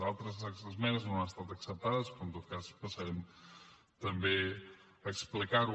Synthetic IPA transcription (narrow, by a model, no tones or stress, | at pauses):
alˠt̪ɾəzəzmɛnəznoaəst̪at̪əksəp̚t̪aðəspɾɔnt̪ot̪̚kaspəsəɾɛm | t̪əmbe | əksplikaɾ